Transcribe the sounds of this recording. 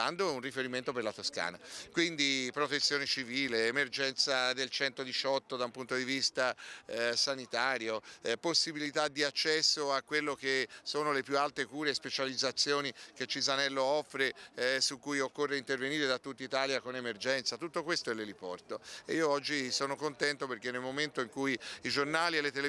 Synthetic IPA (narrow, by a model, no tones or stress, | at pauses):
and̪ounrifeɾiment̪operlat̪oska̰ːna̰kwind̪ipɾot̪et̪sːjoːnet͡ʃiviːleːmerd͡ʒɛnt̪sad̪elt͡ʃɛnt̪od̪it͡ʃɔt̪ːod̪aumpunt̪od̪ivist̪asanit̪aːɾjoposːibilit̪ad̪ːiat͡ʃːɛsːoakːwelːokesoːnolepjualt̪ekuːɾeːspet͡ʃalid̪zat̪sːjoːnik̟et͡ʃːizanɛlːoɔfːɾesukːujokːorːeint̪erveniːɾed̪at̪ːut̪ːait̪aːljakonemerd͡ʒɛnt̪sat̪ut̪ːokwest̪oɛlːelipɔ̰rt̪oeiːoɔd͡ʒːisoːnokont̪ɛnt̪operk̟enːelmoment̪oiŋkujid͡ʒornaːlielːet̪el